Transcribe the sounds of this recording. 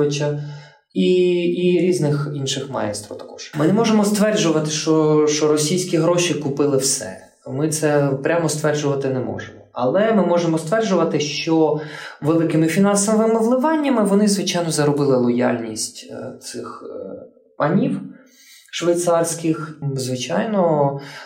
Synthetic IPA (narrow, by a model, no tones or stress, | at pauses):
ɪt͡ʃɐ | iiɾʲiznɪxinʃɪxmɑ̰jɛ̰st̪ɾɐ̰t̪ɐ̥kɔʃmɪnɛmɔʒemɔst̪ʋɛrʒʊʋɐt̪ɪʃt͡ʃɔʃt͡ʃɔɾɔsʲijsʲkʲiɦɾɔʃikʊpɪlˠɪwsɛ̰ | mɪt̪sɛpɾʲʔamɔst̪ʋɛrʒʊʋɐt̪ɪnɛmɔ̰ʒemɔɐ̰lˠɛmɪmɔʒemɔst̪ʋɛrʒʊʋɐt̪ɪʃt͡ʃɔʋelˠɪkɪmɪfʲinɑnsɐmɪʋɪmɔʋlˠɪʋɑnʲːɐmɪʋɔnɪzʋɪt͡ʃajnɔzɐɾɔbɪlˠɪlˠɔja̰lʲnʲisʲtʲt̪sɪx | pɐnʲiw | ʃʋejt̪sɑrsʲkɪxzʋɪt͡ʃajnɔ